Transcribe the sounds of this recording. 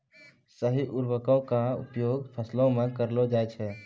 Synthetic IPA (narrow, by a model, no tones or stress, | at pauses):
səɦiʔʊɾwəkõkaʊ̰pjoːɡpʰəslõmẽkəɾlod͡ʒaːjt͡ʃʰɛː